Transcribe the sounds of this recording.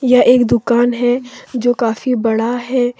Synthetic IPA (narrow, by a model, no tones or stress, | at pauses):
jaʔeːkd̪ʊkaːnɦɛd͡ʒoːkaːfibɐɽaɦɛː